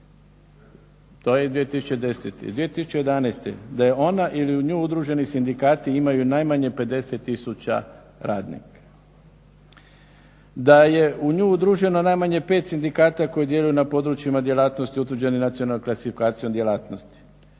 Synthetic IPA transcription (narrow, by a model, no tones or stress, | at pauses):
t̪ojed̪ʋiet̪isu̥t͡ɕed̪e̞sḛt̪ḛd̪ʋijet̪isu̥t͡ɕe̞jed̪anest̪ḛd̪ajeo̞naʔiliuɲuːud̪ɾuːʒe̞nisind̪ikaːt̪iimajunajmaɲe̞pe̞d̪e̞set̪ːisut͡ɕa̰ | ɾaːd̪nḭka | d̪aje̞ʔuɲuːud̪ɾuʒe̞no̞najmaɲe̞pet̪sind̪ikaːt̪ako̞jid̪je̞lujunapo̞d̪ɾut͡ʃimad̪je̞laːt̪nost̪iut̪ʋɾ̩d͡ʑe̞ninat̪sionalːnomklasifikaːt̪sijo̞md̪je̞laːt̪no̞st̪i̥